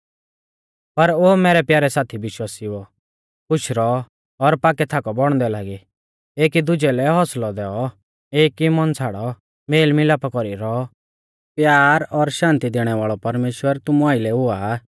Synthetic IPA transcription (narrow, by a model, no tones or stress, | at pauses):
pɐɾoːmɛːɾɛpjaːɾɛsaːt̪ʰibɪʃwaːsiɔ | pʊt͡ʃʰɾɔ | ɔɾpaːkɛt̪ʰaːkɔbɔɽ̃d̪ɛlaːɡi | eːkid̪ʊd͡ʒɛlɛɦɔslɔd̪ɛːɔ | eːkimɔnt͡sʰaːɽɔ | meːlmɪlaːpakɔɾiɾɔɔ | pjaːɾɔɾʃãːnt̪id̪eːɽ̃ɛʋaːɭɔpɐɾmeːʃwəɾt̪ʊmuaːɪlɛɦʊa